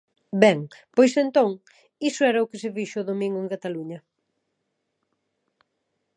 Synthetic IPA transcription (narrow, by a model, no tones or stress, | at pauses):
bɛŋpojsent̪oŋ | isʊɛɾɐʊkɪs̬ɪfiʃʊːðomĩŋɡʊeŋkat̪aluɲɐ